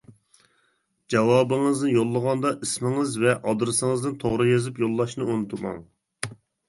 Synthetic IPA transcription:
d͡ʒɑwɑːbɨŋɨznɨjolˠːəʁɑnd̪ɑʔismɪŋɨzvɛʔɑd̪ɾɨsɨŋɨznɨnt̪ʰoʁɾɨjezɪpjolˠːɑʃnɨonɨt̪ʰumɑ̰ŋ

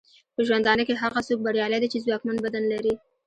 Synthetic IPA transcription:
pəʒwand̪ɑnəkeɦaɣasok̚baɽjɑlajd̪at͡ʃezwɑkmanbad̪anlaɾi

